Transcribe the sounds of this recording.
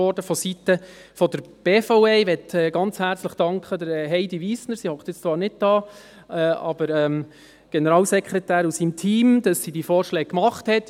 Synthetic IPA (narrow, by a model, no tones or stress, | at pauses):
ɔɾdəfɔsitəfɔdəɾb̥eːfɔʊeɪʋɛtɛɡɑnt͡shæɾt͡sləχd̥ɑŋkχədəɾɛɦɛɪdiʋiːsnəɾsihɔktɪt͡st͡sʋɑːɾnɪd̚d̥ɑː | ɛʔɑ̰b̥əɾɛːm | ɡ̥ɛnəɾɑːlsɛkʰχɾɛtæːɾusimtʰiːmd̥ɑsːiːdiːfɔːɾʃlɛːk̚kːmɑχthɛt